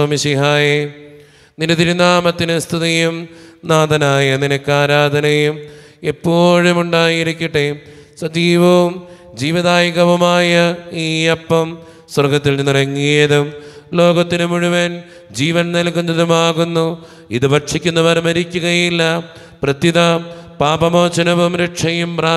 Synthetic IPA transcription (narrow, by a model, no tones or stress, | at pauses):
ɐmiɕiɦaːje | nindɐt̪iɾunaːmɐt̪ːinɨst̪ʰiðijumnaːd̪ɐnaːjɐninɐkːaːɾaːd̪ʱɐnɐjum | epːoːɻumuɳɖaːjiɾikʲːiʈːe | sɐd͡ʑiːʋɐʋum | d͡ʑiːʋiðaːjɣɐʋɐmaːjɐiːɐpːɐm | swɐrɡɐt̪ːilnnirɐŋːijɐðum | lo̞ːɣɐt̪ːinɨmuɻuʋen | d͡ʑiːʋɐnnɐlkːunːɐðumaːɣunːu | iðɨʋɐʈʂikʲːunːɐʋɐɾɐmɐɾikʲːuɣɐjilːɐ | prɐt̪iðɐpaːbɐmoːt͡ɕːɐnɐʋumɾɐʈʂɐjumpraː